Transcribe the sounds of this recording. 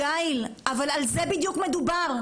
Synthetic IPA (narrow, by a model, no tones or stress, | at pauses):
ailʔavalalzebid̪jukme̞d̪ubaʁ